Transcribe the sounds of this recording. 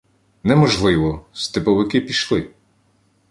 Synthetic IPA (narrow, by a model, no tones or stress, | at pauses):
nɛmɔʒlˠɪʋɔst̪ɪpɔʋɪkɪpʲiʃlˠɪ